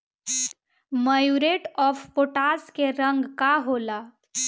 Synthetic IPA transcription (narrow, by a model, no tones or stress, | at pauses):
məjuɾeʈɔpʰpoʈaskeɾə̃ŋɡkaɦola